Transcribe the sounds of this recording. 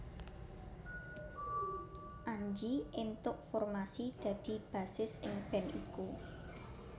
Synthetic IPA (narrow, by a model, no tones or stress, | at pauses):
ʔaɲd͡ʒiʔɪnt̪ʊʔfɔrmasid̪̥ä̤d̪̥i̤b̥ä̤sɪsʔɪŋb̥ɛ̤nḭku